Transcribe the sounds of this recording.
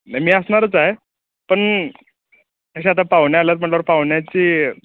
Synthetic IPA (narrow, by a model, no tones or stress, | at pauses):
najmiːəsɳaɾət͡saɦe | pəɳ | k̪əɕ̬eat̪apaʋɳjalat̪̚m̤əʈlaʋəɾpaʋɳjat͡ɕiː